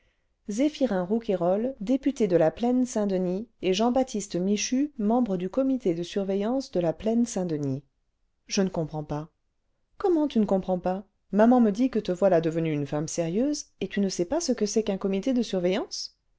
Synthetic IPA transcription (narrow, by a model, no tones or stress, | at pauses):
zefiʁɛ̃ʁukeʁɔld̪epyt̪ed̪əlaplɛnsɛ̃d̪ənieʒɑ̃bat̪ʰist̪miʃymɑ̃bʁəd̪ykɔmit̪ed̪əsyʁvɛjɑ̃sd̪əlaplɛnsɛ̃d̪əni | ʒ̥ənəkɔ̃pχɑ̃pa | kɔmɑ̃t̪ynəkɔ̃pχɑ̃pa | mamɑ̃məd̪ikət̪əvwalad̪əvənyːnfamseʁjøzet̪ynəsɛpasəkəsɛkɛ̃kɔmit̪ed̪əsyʁvɛjɑ̃s